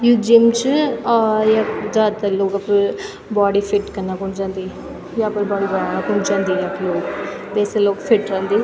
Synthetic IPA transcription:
juːd͡ʒɪmt͡ʃː | jaːd͡ʒaːd̪aloːɡəpː | bɔːɽiːfʰɪʈkəɾnaːkʊnd͡ʒãːnd̪iː | jaːpəɾbɔːɽiːbəɽãːñaːkʊnd͡ʒãːnd̪iːjaploːkbɛːseloːkfʰɪʈɾãːnd̪iː

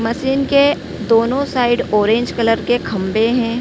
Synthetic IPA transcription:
mɐsiːnke | d̪oːnõsaːɪɖɔːɾẽːɲd͡ʒkələɾkekʰɐ̃mbeɦɛ̃ː

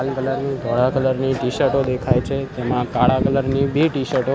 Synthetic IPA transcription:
alkələɾnid̪ʱɔɽakələɾniʈiʃəɾʈod̪ekʰajt͡ʃʰet̪emãkaɽãkələɾnibiʈiʃəɾʈo

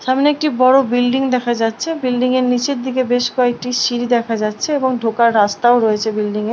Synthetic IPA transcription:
ʃamneek̚ʈibɔɽobilɖiŋd̪ɛkʰad͡ʑatːɕʰebilɖiŋeɾnit͡ɕeɾd̪ʱikebeʃkɔek̚ʈiʃiɾid̪ɛkʰad͡ʑatːʰeeboŋɖʱokaɾːast̪aoɾojet͡ɕʰebilɖiŋeɾ

